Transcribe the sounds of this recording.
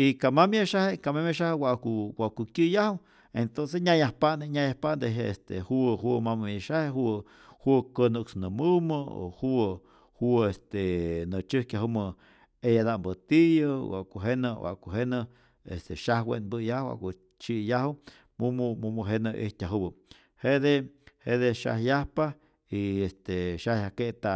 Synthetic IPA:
ikamamjaʃahekamemeʃahwaʔkuwaʔkukʲɨjahw | ent̪ons̬esɲajahpand̪eɲajahpaʔnd̪eɦest̪ḛhuɦumamɨmjaʃaheɦu | hukənuksnɨmɨməo̰hu | huest̪enɨt͡ʃɨhkʲaɦumɨ | ejad̪ambɨt̪ijɨwa̰ʔkuɦenɨwa̰ʔkuɦenɨ | est̪eʃahwḛnbɨjahwa̰ʔko | t͡ʃijahu | mummumuɦenɨʔḭht̪ʲaɦubɨ | hed̪ehed̪eʃa̰hjahpa | iest̪eʃahjahket̪a

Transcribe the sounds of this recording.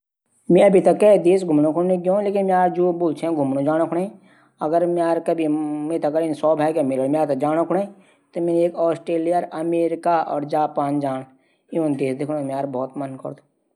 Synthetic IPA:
mẽɐbʱit̪ɐkːed̪eːsɡʱʊmnõkʰʊɽnekjõleːkɪnmẽaːɾd͡ʒoːboːlt͡ʃʰẽɡʱʊmnõd͡ʒaːɽ̃okʰʊɽẽ | ɐɡəɾmẽaːɾkɐbʱimẽːt̪ɐɐkɡəɾɪnsɔːbʱaːjkemɪləɽmẽaːɾt̪ɐd͡ʒaːɽ̃okʰʊɽ̃e | t̪omẽneːkɔːsʈɾeːlijəɾɐmeːɾɪkaɔ̰ːɾd͡ʒaːpaːnd͡ʒaːɽ̃ | iʋə̃nd̪eːsd̪ɪkʰñõmẽaːɾbɔːt̪mənkə̰ɾd̪o

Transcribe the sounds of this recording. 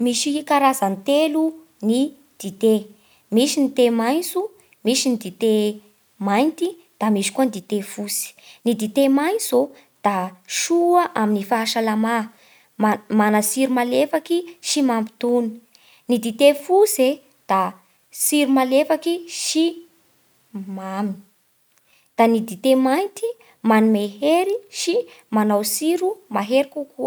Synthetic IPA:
miʃiikaɾazant̪elu | ni | d̪̥it̪e | miʃinit̪emajnsu | miʃinid̪it̪e | majnt̪i | d̪̥amiʃi̥kuanid̪it̪efusi̥nid̪it̪emajnt͡so | d̪̥aʃuəʔaminifaaʃalama | manəsiɾumalefakiʃimambit̪uni̥ | nid̪it̪efuse | d̪̥a | siɾumalefakiʃi | mami | d̪̥anid̪it̪emajnt̪i | manimeɦeɾiʃi | manawsiɾumaɦeɾikukuə

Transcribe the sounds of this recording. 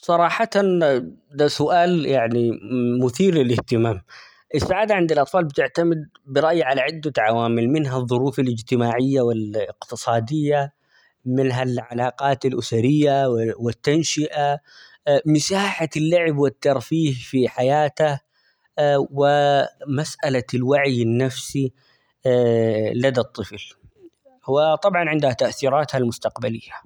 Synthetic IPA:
sˤɑɾˤɑːħɑt̪ad̪asʊʔaːljaʕnimʊθiːɾlɪlɪht̪ɪmaːm | ʔɪsːaʕaːd̪aʕɪnd̪ɪlʔɑt̪ˤfɑːlbɪt̪ɪʕt̪amɪd̪̚ | bɪɾˤɑʔjʕalaʕɪd̪ːaʕawaːmɪlmɪnɦaðˤːʊɾuːfalɪd͡ʒt̪ɪmaːʕɪjːawɪlɪqt̪ɨsˤɑːd̪ɪjːa | mɪnɦalʕalɑːqɑːt̪alʔʊsaɾɪjːawɪt̪ːanʃɪʔa | mɪsaːħalːaʕɪbwɪt̪ːɑɾˤfiːhfiħajaːt̪a | wɪmasʔalalwaʕjɪnːafsi | lad̪at̪ˤːɨfl | wɪt̪ˤɑbʕɑnʕɪnd̪hat̪aʔθiːɾˤɑːt̪halmʊst̪aqbalɪjːa

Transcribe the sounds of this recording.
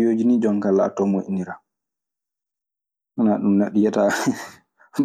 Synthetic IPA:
joːd͡ʒinid͡ʒɔŋkala̰tːɔmoʔḭniɾa | anaɗumnaɗijɛta

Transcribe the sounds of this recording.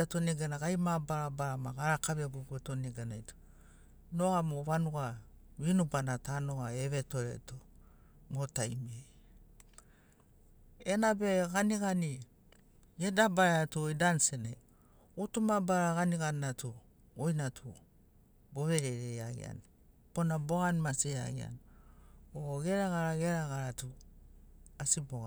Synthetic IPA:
atoneɡanaɡajmabaɾabaɾamaɡaɾakaβiabuɡuetoneɡanajto̥ | noamoβanuɡa | βinubanatanoɡaeβetoɾḛto | motajme | enabeɡaniɡani | ɡedabaeatuoidansenḛ | utumabaɾaɡaniɡannatʰu | ojnatʰu | boβeɾeɾea̰ɡḭa̰n | ponaboɡanmasia̰ɡia̰n | oɡeɾaɡaɾaɡeɾaɡaɾatu | asiboɡa

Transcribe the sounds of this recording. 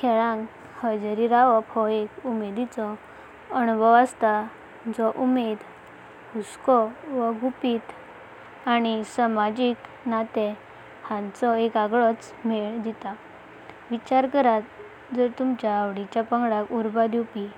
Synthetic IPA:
kʰɛɭãŋk | həd͡ʑəɾiɾaʋɔphɔekumed̪it͡sɔ | ənubʱəʋast̪a | d͡zɔʔumed̪ | uskɔʋəɡupit̪ | añisamad͡ʑik | nat̪ɛ | hãnt͡sɔekaɡɭɔt͡s | meɭd̪it̪a | ʋit͡ɕaɾkəɾat̪̚ | d͡zəɾt̪umt͡ɕjaːʋɽit͡ɕjapəŋɡɽakuɾbad̪upi

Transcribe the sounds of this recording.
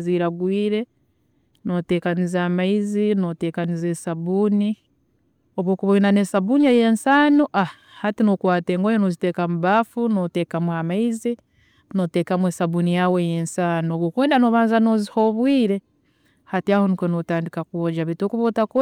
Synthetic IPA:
ziɾaɡwiːɾe̞ | no̞te̞ːkanizaːmaizinote̞ːkanize̞ːsaβuːni | oβwo̞ːkuβoinanesaβunieje̞nsaːnuʔa | hatinokwaːte̞ːŋɡojenozite̞kamuβafunote̞ːkamuamaizi | no̞te̞kamweːsaβunijawejeːnsaːnooβwoːkweːndanoβaːnzano̞ziho̞βwiːɾe̞ | hatiaːhonikonotaːndikakuoɟaβitoːkuβotako

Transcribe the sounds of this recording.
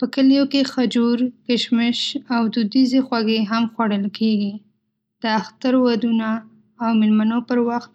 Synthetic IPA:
pəkəlijokexad͡ʒuɾkəʃmɪʃawd̪ud̪izexwaɡeɦamxwaɽəlkʰeɡi | d̪̥əaxt̪aɾwad̪unaː | wmelmanopəɾwaxt̪̚

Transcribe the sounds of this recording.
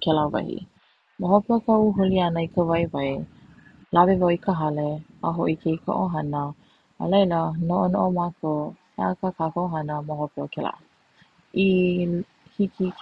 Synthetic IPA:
kɛlavɐ̰hḭ | maɦopeokawɦolianəikəvɐjvɐj | labevawikʰəɦaleaɦoʔikʰejka̰ʔoɦɐnə̰ː | lejlənoʔonoʔomako | eakakakooɦanəmahopeokɛla̰ʔ | i | hiki

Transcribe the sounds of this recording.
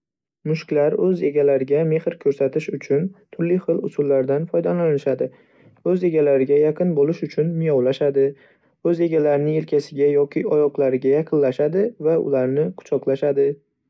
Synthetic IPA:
mʊʃkʲlaɾɵze̞ɡʲalaɾɪɡʲame̞hɪɾkʲʰɵɾsat̪ʰɪʃʊt͡ʃʰʊnt̪ʰʊɾlɪχɨlʊsʊlːaɾd̪anfɒjd̪alanɪʃad̪ɪ | ɵze̞ɡʲalaɾɪɡʲajaqʰɨnbolɪʃʊt͡ʃʰʊnmɪjɒwlaʃad̪ɪ | ɵze̞ɡʲalaɾɪnɪŋe̞lkʲʰasɪɡʲajɒkʲʰɪɒjɒqlˠaɾɪɡʲajaqʰɨnlaʃad̪ɪvaʊ̰laɾnɪqʰʊ̥t͡ʃʰɒqlˠaʃad̪ɪ

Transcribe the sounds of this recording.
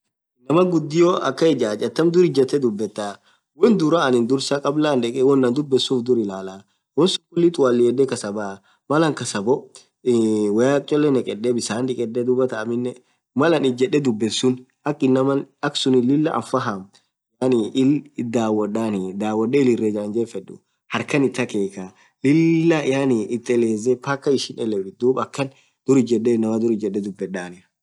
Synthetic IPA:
nɐmɐɡʊd̪ːɪjoʔɐ̰kːɐɛd͡ʒaːt͡ʃʼɐt̪ːɐmd̪ʊɾɪd͡ʒɐt̪ːɛd̪ʊbːɛt̪ːaː | wɔnd̪ʊɾaɐnɪnd̪ʊɾsakʼɐblaːnᶑ̪ɛkʼɛwɔnːɐnd̪ʊbːɛsːuːfd̪ʊɾɪlaːla | wɔnsʊ̥kːʊlːit̪waːlːɪjɛd̪ɛkɐsɐbɐ | mɐlɐŋkɐsɐbɔ | wɐjaːk̚ʼt͡ʃʼɔlːɛnɛkʼɛɗːɛbɪsaːnᶑɪkʼɛᶑːɛd̪ʊbɐt̪ɐːmɪnːɛ | mɐlɐnɪd͡ʒɛɗːɛd̪ʊbːɛnsʊn | ʔɐkʼːɪnːɐmɐnɐksʊnɪlɪlːɐʔɐ̰nfɐɦam | janɪʔɪld̪aːwɐᶑaːnɪd̪aːwːɐɗːɛɪlɪrːeːd͡ʒɐɐnd͡ʒɛfɛɗʊ̰ | hɐɾkɐnɪt̪ːɐkeːka | lɪlːɐɪjanɪʔɪt̪ːɛleːzɛpɐkːɐɪʃɪnɛlɛwɪd̪uːbɐkːɐn | d̪̥ʊɾɪd͡ʒɛɗːenːɐmɐd̪ʊɾɪd͡ʒɛɗːɛd̪ʊbːɛᶑaːnɪ

